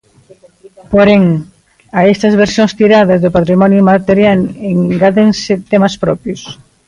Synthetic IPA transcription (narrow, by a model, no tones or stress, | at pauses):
poɾeŋ | aɛst̪ɐzβeɾsjoŋst̪iɾað̞ɐzðʊpat̪ɾimɔnjʊmat̪eɾjaleŋɡaðeŋsɪt̪emɐspɾɔpjʊs